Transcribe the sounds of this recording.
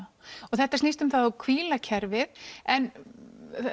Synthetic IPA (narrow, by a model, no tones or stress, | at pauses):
ɔθɛht̪ːasnist̪ʏmθaðakʰviːlacʰɛɾvɪðɛn